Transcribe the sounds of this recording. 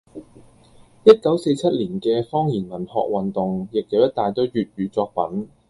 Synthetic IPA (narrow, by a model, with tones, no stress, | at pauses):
jɐ˥t̚kɐ˨˥wse˧jt͡sʰɐ˥t̚liː˨˩nkɛː˧fɔː˥ŋjiː˨˩nmɐ˨˩nhɔ̰ː˨k̚wɐ˨nt̪ʊ˨ŋjɪ˨k̚jɐ˨wjɐ˥t̚t̪aː˨jt̪o˥wjyː˨t̚ɥyː˨˧t͡sɔː˧k̚pɐ˨˥n